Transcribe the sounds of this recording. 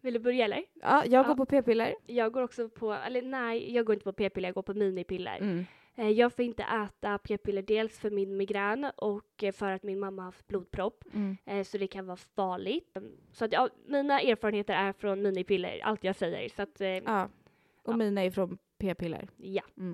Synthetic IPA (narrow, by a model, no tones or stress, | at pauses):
vɪld̪ɵbœɾjaɛlːəɾɑ̰ːjɑːɡoːɾpɔpʰeːpɪlːəɾjɑːɡoːɾɔksɔpʰɔɛ̰lːənɛjɑːɡoːɾɪnt̪əpʰɔpʰeːpɪlːjɑɡoːɾpʰɔmiːnɪpɪlːə̰ɾ | jɑːɡfoːɾɪnt̪ə̰ʔɛːt̪apʰeːpʰɪlːəɖeːlsfœɾmɪnmɪɡɾanːɔkːfœɾat̪mɪnmamːahaft̪̚bluːd̪̚pʰɾɔpːsɔd̪ɛkʰanvɑːfɑːɭɪɡt̪sɔat̪jɑmiːnaeːɾfːɾənheːt̪əɾæɾfɾɔnmiːnɪpʰɪlːə̰ɾa̰lt̪jɑːɡsɛjːə̰ɾsɔat̪ː | ʔɔmiːnaɪɾfɾɔnpʰeːpɪlːə̰ɾja